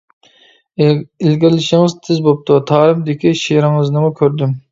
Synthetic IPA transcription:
ɪlɡʲiɾlɪʃɪŋɨzt̪ʰɪzbop̚t̪ʰut̪ʰɑːɾɨmd̪ɪkʲiʃejɾɨŋɨznɨmukʲʰøɾd̪ym

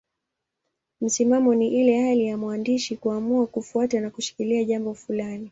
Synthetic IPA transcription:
m̩simamɔniʔilɛhalijamwandiʃikuamuakufuatanakuʃi̥kiliaʄambɔfulani

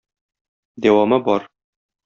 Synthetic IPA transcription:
d̪æwɑmɤbɒɾ

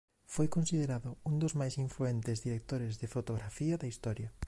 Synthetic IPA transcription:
fojkonsiðeɾaðʊund̪ozmajsiɱfluent̪ɪzðiɾek̚t̪oɾɪzðɪfot̪oɣɾafiɐðɐist̪ɔɾjɐ

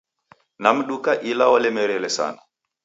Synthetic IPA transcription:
nam̩ɗukaʔilawalɛmɛɾɛlɛsa̰na

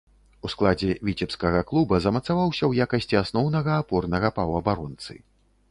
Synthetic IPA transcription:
usklˠad͡zʲɛvʲit͡sʲɛpskɐɣɐklˠubɐzɐmɐt̪savawsʲɐwjakɐsʲt͡sʲiasnɔwnɐɣɐːpɔrnɐɣɐpɐwɐbaɾɔnt̪sɨ̰

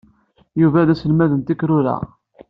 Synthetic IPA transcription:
juvæðæsəlmæðənt̪ikɾʊɾæ̰

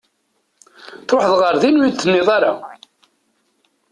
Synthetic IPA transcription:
θɾoħðʁəɾðinujid̪θənːɪðˤaɾa

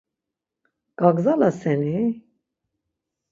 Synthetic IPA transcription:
ɡ̥aɡzalasɛni

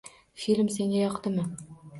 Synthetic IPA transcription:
filʲmse̞ŋʲajɒqt̪ɪmɪ

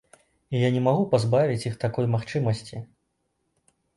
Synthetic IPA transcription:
ijanʲɛmaɣupazbavʲit͡sʲjixt̪akɔjmaxt͡ʂɨmɐsʲt͡sʲi

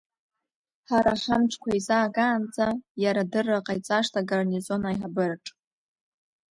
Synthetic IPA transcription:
ħaɾaχʲamʈ͡ʂʰkʷʰaizaːɡaːnt͡sʼajaɾadɨrːaqʼajt͡sʼaʂtʰaɡarnizo̞najħabɨrʈ͡ʂʼ

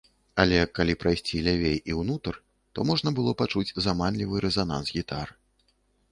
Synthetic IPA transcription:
alʲɛkalʲipɾajsʲt͡sʲilʲavʲejiwnut̪ɐr | t̪ɔmɔʐnɐbɨlˠɔpat͡ʂud͡zʲzamanlʲivɨɾɛzana̰nsɣʲit̪ar

